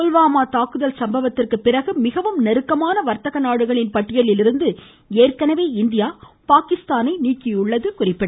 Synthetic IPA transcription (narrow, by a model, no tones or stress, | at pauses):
ʊlʋaːmaːt̪aːkɯðɐlsɐmbɐʋɐt̪ːɪrkɯpːɪɾɐɣɯmɪɣɐʋɯmnɛɾɯkːɐmaːnɐʋɐɾt̪ɐɣɐnaːɽɯɣɐɭɪnpɐʈːɪjɐɭɪlɪɾɯnd̪ɯ | eːrkɐnɐʋeːɪnd̪ɪjaːpaːkɪst̪aːnɐɪniːkɪjʊɭːɐðɯkʊrɪpːɪɽɐ